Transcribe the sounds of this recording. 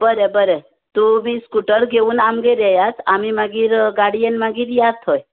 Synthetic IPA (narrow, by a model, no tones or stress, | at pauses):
bəɾɛbəɾe | t̪ubʱiskuʈəɾɡeunamɡeɾɛɦjasʰamimãɡiɾɡaɽijenmãɡiɾjad̪ʰɔj